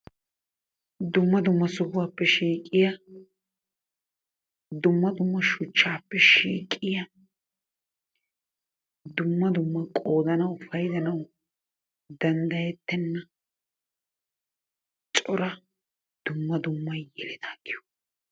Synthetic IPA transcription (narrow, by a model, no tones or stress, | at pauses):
d̪ʊmːɐd̪ʊmːɐsʊbʊwaːpːɛʃiːkʼːɪjɐ | d̪ʊmːɐd̪ʊmːɐʃʊt͡ʃːaːpːɛʃiːkʼːɪjɐ | d̪ʊmːɐd̪ʊmːɐkʼoːd̪ɐnɐwʊfɐjd̪ɐnɐw | d̪ɐnd̪ɐjɛt̪ːɛnːɐ | t͡ʃʼɔɾɐ | d̪̥ʊmːɐd̪ʊmːɐjjɛlɪd̪aːɡɪjɔ̥